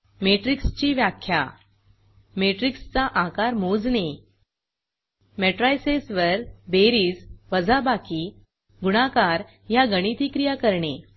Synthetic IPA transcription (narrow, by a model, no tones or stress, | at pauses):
meʈɾikst͡ɕiːʋjakʰːja̰ | meʈɾikst͡saʔakaɾmod͡zne | meʈɾajsesʋəɾbeɾiːd͡zʋəd͡zabakiː | ɡuɽ̃akaɾ | jaɡəɽ̃it̪iːkɾijakəɾɳe